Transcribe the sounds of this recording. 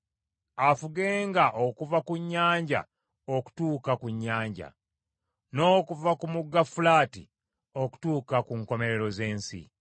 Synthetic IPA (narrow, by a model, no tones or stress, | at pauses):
afuɡe̞ːŋɡaʔokuvakuɲːaːɲɟa̰ | o̞ku̥tuːkakuɲːaːɲɟa̰ | no̞ːkuvakumuɡːafulaːtḭ | o̞ku̥tuːkakuŋko̞me̞ɾe̞ɾo̞ze̞ːnsḭ